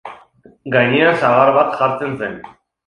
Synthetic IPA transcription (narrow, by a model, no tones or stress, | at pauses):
ɡajɲeansaɣaɾβat̪ʝaɾt͡sensen